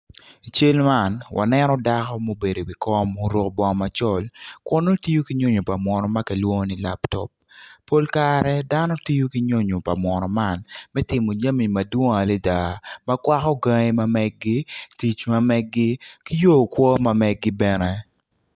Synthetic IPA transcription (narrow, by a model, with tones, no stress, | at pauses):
i˨t͡ʃe˦lma˦˨nwʔa̰˨nɛ˦nɔ˦da˦kɔ˦mo˦be˨do˨wi˨kɔ˦mo˦ɾo˦kbɔ˦ŋma˨t͡ʃɔ˦lkʊ˦no˦ti˦jo˦ki˦ɲo˦ɲo˨pa˨mwɔ˨nɔ˨ma˦kɛ˨lwo˦ni˦la˦ptɔ̰˨p̚ː | o˦lkaɾɛ˦da˦nɔ˦ti˦jo˦ki˦ɲo˦ɲo˨pa˨mwɔ˨nɔ˨ma˦nmɛ˦tɪ˨mo˨d͡ʒa˦mi˨mɐ˨dwo˦ŋa˨le˦da˨ma˦kwa˦kɔ˦ɡa˦ŋe˦ma˦mɛ˦ɡ̚ɡi˦ti˨t͡ʃma˦mɛ˦ɡɡi˦ki˦jo˦˨kwɔ˦ma˦mɛ˦ɡ̚ɡɪ˦bɛ˦nɛ˦